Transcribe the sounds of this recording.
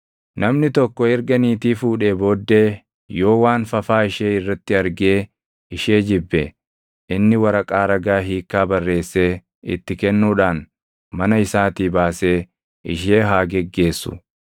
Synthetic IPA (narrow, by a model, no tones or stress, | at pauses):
nɐmnɪt̪ɔkːɔɛɾɡɐniːt̪iːfuːᶑebo̞ːd̪ːe̞ː | jo̞ːwaːnfɐfaːɪʃeːɪrːɐt̪ːɪɐɾɡe̞ː | ɪʃeːd͡ʒɪbːɛ | ʔɪnːɪwɐɾɐkʼaːɾɐɡaːɦiːkːaːbɐrːe̞ːsːe̞ː | ɪ̰t̪ːɪkɛnːuːᶑaːn | mɐnɐɪsaːt̪iːbaːse̞ː | ʔɪ̰ʃe̞ːɦaːɡɛɡːe̞ːsːʊ̰